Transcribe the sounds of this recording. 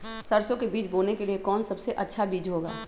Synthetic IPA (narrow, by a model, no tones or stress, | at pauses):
sɐɾsõkebiːt͡ʃboːnekeliekɔːnsɐbseʔɐtːʃʰabiːd͡ʒɦoːɡa̰ː